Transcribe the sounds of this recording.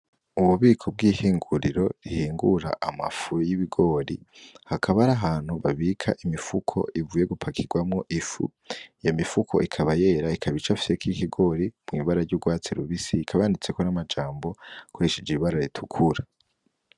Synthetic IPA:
uβuβiːkʰo̞b̚ɡiːhiːŋɡuɾiɾo̞ɾihiːŋɡṵɾa̰ʔama̰fujiβiɡo̞ːɾihakʰaβaɾaɦaːn̥huβaβikʰaʔimifukʰo̞̰ʔivuːje̞ɡupʰakʰiɡ̥wamŋo̞ʔifṵ | jomifukʰo̞̰ʔikʰaβaje̞ːɾaikʰaβit͡ʃafi̥sekikiɡo̞ːɾimŋiːβaɾaɾɟuɡwaːt͡siɾuβisiikʰaβaːndit͡se̞konamad͡ʒaːmbo̞kweʃed͡ʒeiβaɾaɾitʰukʰuɾa

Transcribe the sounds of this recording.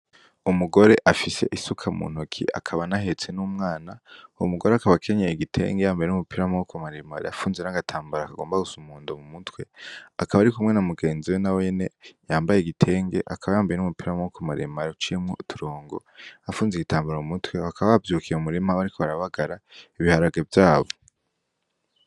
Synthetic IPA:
umuɡo̞ɾe̞ʔafise̞̰ʔisukʰamṵːn̥ukʰḭa̰kʰaβanaɦe̞t͡se̞numŋaːnaṵmuɡoɾeakaβakʰeɲejeɡitʰe̞̰ːŋɡejaːmbajenumupiɾamookomaɾemaɾḛafuːnzenaɡatʰaːmbaɾakaɡo̞ːmbaɡusumuːndomumutwe̞akaβaɾikumŋe̞namuɡe̞ːnziwenawene̞jaːmbajeɡitʰe̞ːŋɡe̞̰ʔakʰaβajaːmbajenumupiɾamookomaɾemaɾeut͡ʃijemŋotʰuɾo̞ːŋɡo̞̰afuːnzeɡitaːmbaɾamumutwe̞βakʰaβaβabjuːkʰijeumuɾemaβaɾikʰo̞βaɾaβaɡaɾaiβihaɾaɡevjaːβo

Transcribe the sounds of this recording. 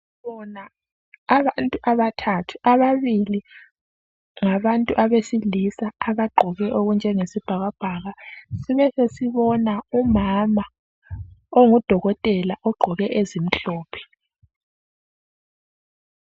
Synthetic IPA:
βɔnaː | βantʼuʔaβatʰatʰu̥ʔaβaβili | ŋaβantʼuʔaβesilisaːβaɡ͡ǃʱɔɣɛʔoɣund͡ʒʱɛŋesib̥ʱaɣab̥ʱaɣasiβɛsesiβɔnaumama | oŋud̥ʱɔɣɔtʼɛlaʔɔɡ͡ǃʱɔɣɛʔezim̩ɬɔːpʰɛ̥

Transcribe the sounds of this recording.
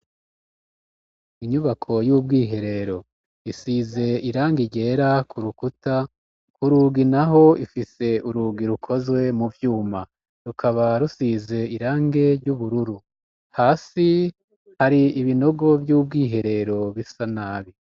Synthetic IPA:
iɲuβakʰo̞jubɡiːɦe̞ɾe̞ɾo̞ | isize̞iɾaːŋɡiɟe̞ːɾakʰuɾukuta | kuɾuːɡinaɦo̞ifise̞uɾuɡiɾukʰo̞zwe̞muvjuːma | ɾukʰaβaɾusize̞iɾaːŋɡe̞ɟuβuɾuɾu | haːsi | haɾiiβino̞ɡo̞bjuːb̚ɡiːɦe̞ɾe̞ɾo̞βisanaːβi

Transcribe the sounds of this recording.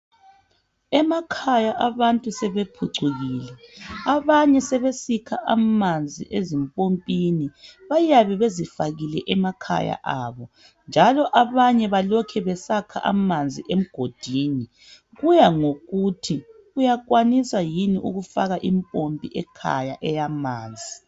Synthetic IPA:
ɛmakʰajaʔaβantʼusɛβepʰuǀuɣiːlɛaβaɲɛsɛβesikʰaʔamand͡zʱḭʔezimpʼompʼiniβajaβɛβezifaɣilɛʔɛmakʰa̰ja̰ʔaβɔ | nd͡ʒʱalɔʔaβaɲɛβalɔkʰɛβɛsakʰa̰ʔa̰mand͡zʱiʔem̩ɡ̥ʱod̥ʱiːni | ɣujaŋoɣutʰi | ujakwanisajiniʔṵɣufaɣaʔimpʼompʼiʔɛkʰa̰jaʔɛjamaːnd͡zʱi

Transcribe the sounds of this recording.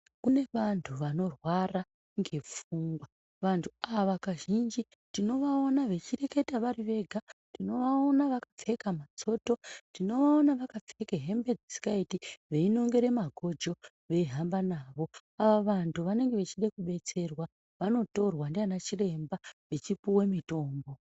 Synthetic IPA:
kune̞ʋantʰuʋano̞rwara | ŋɡe̞p͡fuŋɡwa | ʋantʰuaʋakaʒind͡ʒi | tino̞ʋaonaʋe̞t͡ʃire̞ke̞taʋariʋe̞ɡʱatino̞ʋaonaʋakap͡fe̞kamat͡so̞ːto̞tino̞onaʋakap͡fe̞keɦe̞mbe̞d͡zid͡zikaitiʋe̞ino̞ŋɡe̞ɾe̞maɡʱo̞d͡ʒo̞ | ʋe̞ɦambanaːʋo̞ | aʋaʋantʰuʋane̞ŋɡe̞ʋet͡ʃiɗekuɓe̞t͡se̞rwa | ʋano̞to̞rwandeanat͡ʃire̞mbaʋe̞t͡ʃipuwemito̞ːmbo̞

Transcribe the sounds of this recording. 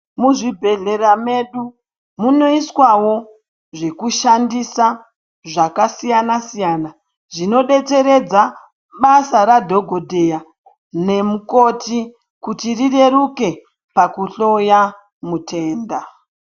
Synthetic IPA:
muʐibʱe̞ɮe̞ɾame̞ɗu | muno̞iswawo̞ | ʐe̞kuʃandisa | ʐakasijanasijaːna | ʐino̞ɗe̞te̞ɾe̞d͡za | ɓasaɾadʱo̞ɡʱo̞dʱe̞ja | ne̞muko̞ti | kutirire̞ɾuke̞ | pakuɬo̞ja | mutʰe̞ːnda

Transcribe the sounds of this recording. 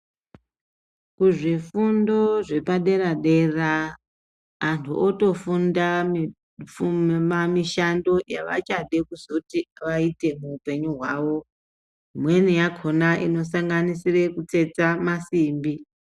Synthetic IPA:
kuʐifundo̞ʐe̞paɗe̞ɾaɗe̞ra | ntʰṵʔoto̞funda | amiʃando̞jaʋa̰t͡ʃaɗekusoutiʋaite̞muːpe̞ɲuɦwaːʋo̞ | mwe̞nijakʰo̞naʔino̞saŋɡanisire̞kut͡se̞t͡samasiːmbi

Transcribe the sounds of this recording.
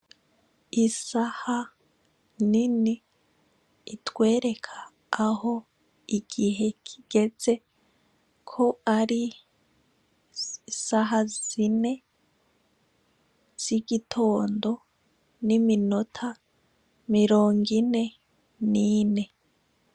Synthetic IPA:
isaha | nini | twe̞ːɾe̞kʰḁː | ho̞ | iɡ̥iɦe̞kʰiɡ̥e̞z̥e̞ | kʰo̞aɾi | saɦazine̞ | z̥iɡitʰo̞ːndo̞ | nimino̞tʰa | miɾo̞ːŋɡine̞ | nine̞

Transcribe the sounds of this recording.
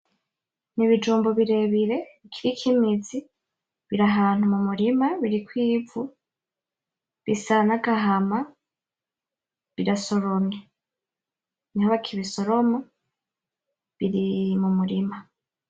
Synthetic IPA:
niβid͡ʒuːmboβiɾe̞βiɾe̞ikʰiɾikʰimizi | βiɾaɦaːn̥humumuɾimaβiɾikwiːvu | βisanaɡaɦama | βiɾaso̞ɾone | nihoβakʰiβiso̞ɾo̞mo | βiɾimumuɾima

